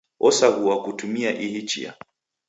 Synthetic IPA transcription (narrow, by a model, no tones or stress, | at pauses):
ɔsaɣuwakutumiaʔihit͡ʃḭa̰